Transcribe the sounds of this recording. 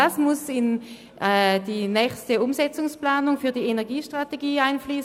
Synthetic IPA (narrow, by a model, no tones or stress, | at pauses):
asmʊsɪn | ɛdiːnɛːçstəʊmzɛt͡sʊŋsplaːnʊŋfyːɐdiːenɛɐɡiːʃtʁ̥ateɡiːaɪnfliːs